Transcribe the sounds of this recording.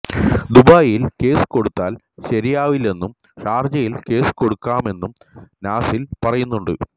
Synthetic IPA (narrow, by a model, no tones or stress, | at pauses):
d̪ubaːjilke̞ːsɨ̥ko̞ɽut̪ːaːl | ɕɐɾijaːʋile̞nːum | ʂaːrd͡ʑɐjilke̞ːsɨ̥ko̞ɽukːaːme̞nːum | naːsilpɐrɐjunːuɳɖɨ